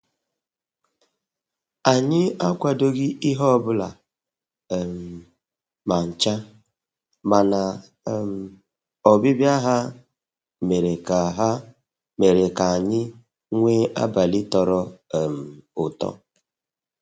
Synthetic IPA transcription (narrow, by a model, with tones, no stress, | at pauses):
a˨ɲɪ˦a˦kʷa˨do˦ɡi˦ʔi˦ɦɔ˦bʊ˦la˨ | m̩˨ | ma˨n̩˨t͡ʃa˦ | ma˨na˨ | m̩˨ | ɔ˨bɪ˦bja˦ɦa˦ | me˨ɾe˨ka˨ɦa˦ | me˨ɾe˨ka˨a˨ɲɪ˦ | ŋʷe˦ʔa̰˦ba˨lɪ˦tɔ˨ɾɔ˦˨m̩˨ʊ˨tɔ̰˦